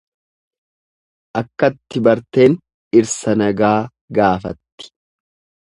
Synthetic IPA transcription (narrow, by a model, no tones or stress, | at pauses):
ʔɐkːɐt̪ːɪbɐɾt̪e̞ːn | ɪɾsɐnɐɡaː | ɡaːfɐt̪ːɪ̥